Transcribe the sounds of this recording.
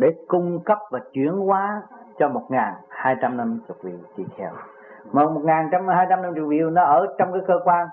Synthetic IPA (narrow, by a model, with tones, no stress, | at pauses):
ɗe˧˩kʊ˧ŋ͡mkə˦˥p̚vaː˨˩t͡ɕwi˧˩˦ənkwaː˨˦t͡ɕɔ˧mo˨˩t̚ŋaː˨˩nhaː˧jt͡ɕa˧mna˧mt͡ɕʊ˨˩k͡p̚vḭ˧˨wt͡ɕi˧xʰɛ˧w | mɔ˨˩mo˨˩ŋaː˨˩nt͡ɕa˧wmhaː˧jt͡ɕa˧mna˧mt͡ɕʊ˨˩k̚vḭ˧˨əwnɔ˨˦ʔəː˧˩t͡ɕɔ˧wŋ͡mkaː˨˦jkəː˧kwaː˧n